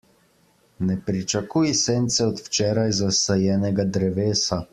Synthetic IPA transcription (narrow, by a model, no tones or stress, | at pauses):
nɛpɾit͡ʃakujisent̪sɛɔt̪wt͡ʃɛːɾajzasɛjɛːnɛɡad̪ɾɛʋeːsa